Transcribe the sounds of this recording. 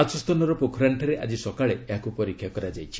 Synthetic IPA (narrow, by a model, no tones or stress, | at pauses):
at͡ʃɔst̪ɔnɔɾɔpokʰɾaɳʈʰɔɾeʔa̰d͡ʒisɔkaɭeeɦakupɔɾikʰjakɔɾad͡ʒajt͡ʃʰi̥